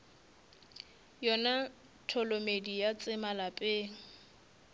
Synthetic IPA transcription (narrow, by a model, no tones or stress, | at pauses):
jɔna | tʰɔlomedijat͡sʼɪmalapʼeŋ̩